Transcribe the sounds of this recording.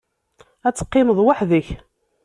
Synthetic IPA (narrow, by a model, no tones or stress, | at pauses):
æt͡sːə̥qːɪməðˤwaħðəç